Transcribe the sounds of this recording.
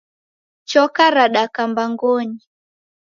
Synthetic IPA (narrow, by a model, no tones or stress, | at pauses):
t͡ʃɔkaɾaɗakambaŋɡɔɲi